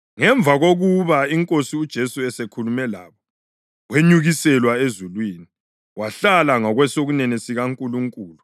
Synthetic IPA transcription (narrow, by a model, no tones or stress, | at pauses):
ŋɛɱb̪vʱaɣoɣuβaiŋkʼosiud̥ʒ̥ʱesuɛsekʰulumɛlaβɔ | weɲuɣisɛlwaezulwiːni | waɬalaŋɔɣwɛsoɣunɛnesiɣaŋkʼuluŋkʼuːlu